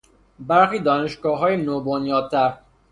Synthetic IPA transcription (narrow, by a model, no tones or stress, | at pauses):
bæɾxiːd̪ɒːne̞ʃɡɒːɦɒːjenoːbonjɒːd̪̚t̪ʰæɾ